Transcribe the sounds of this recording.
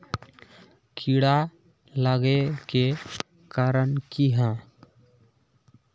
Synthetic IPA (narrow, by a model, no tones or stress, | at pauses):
kʰiɽa | ləɡeke | kaɾənkiɦə̃